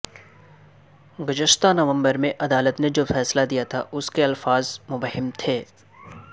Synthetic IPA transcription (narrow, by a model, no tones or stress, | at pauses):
ɡʊd͡ʒəʃt̪anɐʋə̃mbəɾmẽʔɐd̪aːlət̪ned͡ʒoːfɛːslad̪ijat̪ʰaʔʊskeɐlfaːzmʊbəɦɪmt̪ʰeː